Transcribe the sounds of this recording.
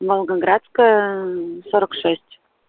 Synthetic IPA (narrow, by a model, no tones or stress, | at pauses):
molˠɡəɡɾat̪skə | soɾəkʂesʲtʲ